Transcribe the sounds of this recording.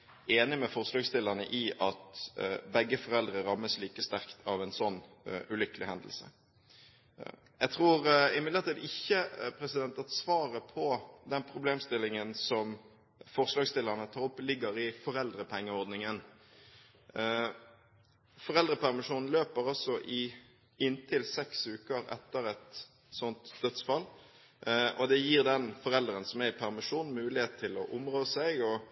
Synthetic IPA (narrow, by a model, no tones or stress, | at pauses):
eːnɪmɛfɔʁʂlɑːɡst̪ɪləʁnə̰ʔɪʔɑt̪bɛɡːəfɔʁɛld̪ʁəɾɑmːəsliːkəst̪æʁkt̪ʰɑʋɛnsɔnː | ʉlʏkəlɪhɛnd̪əl̩sə̰ | jæt̪ʰʁuːɾɪmɪd̪ləʁt̪iːd̪ɪçːəpʰɾɛsɪd̪ɛnt̪ɑt̪sʋɑːɾəpʰɔd̪ɛnpʰʁʊbleːmst̪ɪlːɪŋənsɔm | fɔʁʂlɑːɡst̪ɪlːəʁnət̪ʰɑːɾɔpːlɪɡəɾɪfɔɾɛld̪ɾəpʰɛŋːəɔʁd̪nɪŋən | fɔʁɛld̪ʁəpʰæʁmɪʂuːnn̩løːpəɾɔsɔʔɪ | ɪnt̪ʰɪlsɛksʉːkəɾɛ̰t̪ːəɾɛt̪ | sɔnt̪d̪œt̪sfɑl | ʔɔd̪ɛjiːʁd̪ɛnfɔʁɛld̪ɾənsɔmæɪpʰæʁmɪʂuːn̩mʉːlɪheːt̪̚t̪ʰːɪlɔ̰ʔʊmʁoːsɛɪɡɔ